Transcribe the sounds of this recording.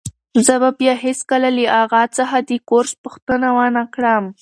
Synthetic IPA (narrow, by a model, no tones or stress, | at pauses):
zəbabjɑɦeskəlaliʔaɣat͡səxad̪əkoɾspʊxt̪ənawanakɽam